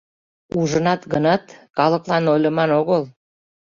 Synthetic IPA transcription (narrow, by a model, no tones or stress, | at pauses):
uʒənɑt̪ɡənɑt̪kɑləklɑnojlʲə̆mɑnoɣəl